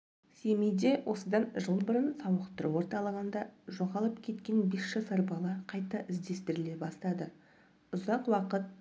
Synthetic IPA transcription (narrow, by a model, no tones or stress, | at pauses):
se̞mejd̪e̞wʔo̞səd̪ɑnʒəlˠbəɾənsɑwəqt̪əɾuwo̞ɾt̪ɑlˠəʁənd̪ɑʒo̞ʁɑlˠəpkʲʰe̞t̪kʲe̞nbe̞sʒɑsɑɾbɑlˠɑqʰɑjt̪ɑʔɪzd̪e̞st̪ɪɾɪle̞bɑst̪ɑd̪ə | ʊzɑqwɑqət̪̚